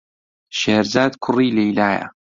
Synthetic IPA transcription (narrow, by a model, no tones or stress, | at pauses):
ʃeːɾzaːd̪kʰʊriːlejlaːjɐ̰